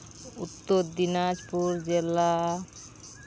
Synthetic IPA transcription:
ut̪ːoɾd̪inad͡ʒpuɾd͡ʒela

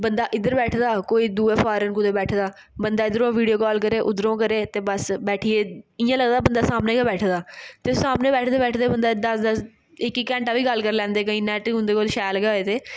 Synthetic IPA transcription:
bənd̪aːʔɪd̪əɾbɛːʈʰd̪aːkoːiːd̪uːeːpʰaːɾənkʊt̪eːbɛːʈʰd̪aː | bənd̪aːɪd̪əɾõːʋiːɖijoːkɔːlkəɾeːʔʊd̪ɾõːkəɾeːt̪eːbəsbɛːʈʰiːeːɪjãːləɡd̪aːbənd̪aːsaːmneːkabɛːʈʰd̪aːt̪eːsaːmneːbɛːʈʰd̪eːbɛːʈʰd̪eːbənd̪aːd̪əsd̪əs | ɪkiːkɛ̃ːɳʈaːʋiːɡəlkəɾlɛ̃ːnd̪eːkəĩːnɛːʈːɦʊ̃nd̪eːkoːlʃɛːlɡɦoːeːt̪eː

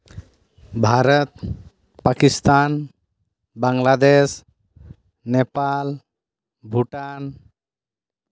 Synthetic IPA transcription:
bʱaɾət̪̚ | pakist̪an | baŋlad̪es | nɛpal | bʱuʈan

